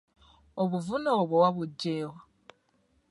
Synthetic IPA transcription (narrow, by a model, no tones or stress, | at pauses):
oβuvunoːβwowaβuɟːeːwa